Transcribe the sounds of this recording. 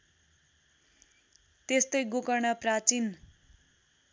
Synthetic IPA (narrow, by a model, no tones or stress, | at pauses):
t̪est̪ʌjɡokʌrɳʌprat͡sin